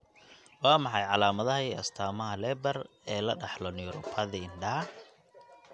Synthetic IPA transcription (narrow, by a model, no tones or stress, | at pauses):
wɑːmɑħɑjʕɑlaːmɐðɐɦɐɐ̰st̪ʰaːmɐɦɐlɛːbɐr | ɛːlɐɖɑħlɔnjuɾɔ̰bʰɐðiɪnɖɐɦɐ